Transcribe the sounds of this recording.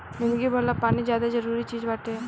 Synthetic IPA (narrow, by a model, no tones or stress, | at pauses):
ʋɪnd̪ɡibʱolapaːnid͡ʒjaːd̪ad͡ʒəɾuːɾit͡ʃiːzbaːʈ̪e